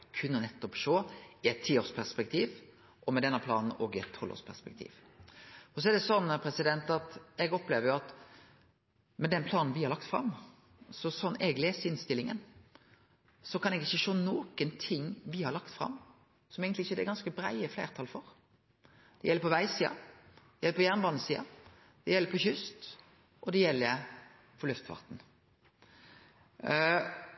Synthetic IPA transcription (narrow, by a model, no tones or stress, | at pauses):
kʰʉnːənɛt̪ːɔpʃoːɪɛt̪ʰːiːoːspʰæʁspɛk̚t̪ʰiːʋ | ʔɔmɛd̪ɛnːəpʰlɑːnn̩oːɡɪɛt̪ʰːɔlo̰ːspʰæ̰ʁspɛk̚t̪ʰḭːʋ | ɔs̬ɔɛd̪ɛsɔnːpʰɾɛsɪd̪ɛnt̪ɑt̪ɛɡɔpleːʋəɾjʊɑt̪ | mɛd̪ɛnpʰlɑːnn̩ʋɪhɑɾlɑkt̪fɾɑ̰mː | sɔsɔnɛɡleːsəɪnst̪ɪlːɪŋə̰n | sɔkɑnɛɡɪçːəʃoːnoːkənt̪ʰɪŋːʋɪhɑɾɭɑkt̪fʁɑ̰m | sɔmeːɡnt̪ɪɪçːəɛd̪ɛɡɑnskəbɾæ̰ɪəflḛːʁt̪ʰɑlfɔɾ | d̪̥ɛ̰jɛlːəɾpʰɔʋæɪsiːɑ̰d̪̥ɛjɛlːəpʰɔjæʁnbɑːnəsiːɑ̰ | d̪̥ɛjɛlːəɾpʰɔçʏst̪ | ʔɔd̪ɛjɛlːəɾ | pʰɔɾlʉft̪ʋɑ̰ʁt̪n̩